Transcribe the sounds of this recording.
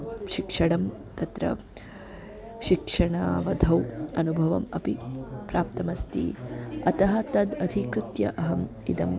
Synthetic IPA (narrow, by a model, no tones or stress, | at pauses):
ʃikʂɐɽɐmt̪ɐt̪ɾɐ̰ | ʃikʂɐɳa̰ːʋɐd̪ʱɐwɐnubʱɐʋɐmɐpipɾaːp̚t̪ɐmɐst̪ḭɐt̪ɐɦɐt̪ɐd̪ɐd̪ʱikɾut̪jɐ̰ʔɐɦɐm | id̪ɐm